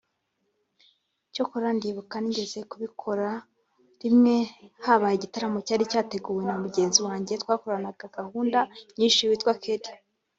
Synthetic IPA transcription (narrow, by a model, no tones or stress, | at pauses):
ico̞koɾandiːβukaniɲɟe̞ze̞kuβikʰo̞ɾa | ɾimŋe̞haβajeɟitaɾamo̞caːɾicaːte̞ɡuːwe̞namuɟe̞ːnziwaːɲɟe̞twaːkoɾanaɡ̥aɡahuːndaɲiːʃiwitwakeɾi̥